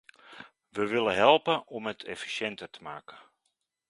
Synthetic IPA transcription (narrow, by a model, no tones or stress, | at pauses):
ʋəʋɪləɦɛlˠpənʔɔmətʰɛ̰fi̥sɛntərtʰə̥ma̰ːkə